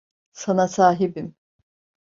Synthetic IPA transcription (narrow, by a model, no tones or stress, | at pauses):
sanasaːɦibim